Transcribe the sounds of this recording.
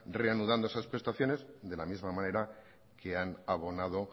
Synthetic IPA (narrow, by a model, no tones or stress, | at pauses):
re̞anuð̞and̪oesaspɾe̞st̪aθjo̞ne̞zðe̞lamizmamãne̞ɾa | kʰe̞anaβo̞nað̞o̞